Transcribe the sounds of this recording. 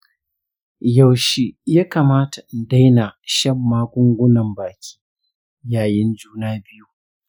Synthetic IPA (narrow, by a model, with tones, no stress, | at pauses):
ja˨wʃiː˦jaː˦kaː˨maː˦ta˨da˦jna˨ʃɐ˦˨mːaː˦kʷʊ˦ŋɡʷʊ˦nɐ˨mbaː˨kʲʰi̥ː˦ | jaː˨jɪ˦nd͡ʒuː˦naː˦bɪ˦ju˦